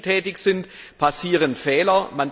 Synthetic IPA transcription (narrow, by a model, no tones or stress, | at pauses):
tʰɛːtɪçz̥ɪnt | pʰasiːʁ̞ənfɛːlɐman